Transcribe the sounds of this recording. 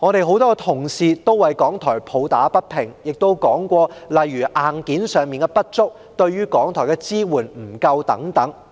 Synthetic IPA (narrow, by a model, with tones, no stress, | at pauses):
ŋɔː˨˧ɾe˨jɦo˨˥wt̪ɔː˥kɛ˧t̪ʰʊ˨˩ŋsiː˨t̪o˥wɐ˨jkɔː˨˥ŋt̪ʰɔː˨˩jpʰo˨˧wt̪aː˨˥pɐ˥t̚pʰɪ˨˩ŋjɪ˨k̚t̪o˥wkɔː˨˥ŋkʷɔː˧lɐ˨jɥyː˨˩ʔaː˨nkiː˨˥nsœː˨ŋmiː˨nkɛ˧pɐ˥t̚t͡ʃt͡sʊ˥k̚ | t̪ɵ˧ɥyː˥kɔː˨˥ŋt̪ʰɔː˨˩jkɛ˧t͡siː˥wuː˨˩nm̩˨˩kɐ˧wt̪ɐ̰˨˥ŋt̪ɐ˨˥ŋ